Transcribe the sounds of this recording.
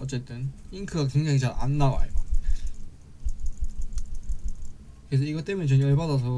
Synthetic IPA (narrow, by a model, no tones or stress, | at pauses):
ʌt͡ɕ͈e̞t͈ɯniŋkʰɯɡak̬we̞ŋd͡ʑaŋit͡ɕaɭa̰nːawa̰ɭma̰ | kɯɾes̬ʰʌiɡʌt͈e̞muɲet͡ɕomjʌɭbadas̬ʰʌ